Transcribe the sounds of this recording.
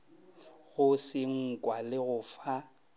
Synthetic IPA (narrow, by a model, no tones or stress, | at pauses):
ɣʊsɪŋ̩kʼwalɪɣʊːfa